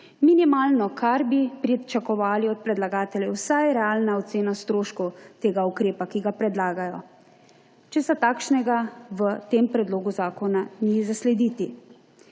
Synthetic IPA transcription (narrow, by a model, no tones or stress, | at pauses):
minimaːlnɔkʰaɾbipɾit͡ʃakɔʋaːliɔt̪̚pɾɛd̪laɡaːt̪ɛljɛwsajɾɛaːlnaɔt̪seːnast̪ɾoːʃkɔwt̪eːɡaukɾeːpakiɡapɾɛd̪laːɡajɔ | t͡ʃɛsat̪aːkʃnɛɡaʋət̪eːmpɾɛd̪loːɡuzaːkɔnanizaslɛd̪iːt̪i